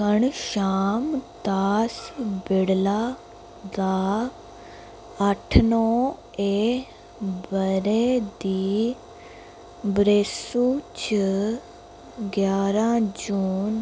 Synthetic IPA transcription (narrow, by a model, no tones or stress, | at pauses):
əɳʃaːmt̪aːsbɪɽlaː | d̪aː | əʈʰnoː | eeː | bəɾeːd̪iː | bɾeːsuːt͡ʃə | ɡjaːɾãːd͡ʒuːn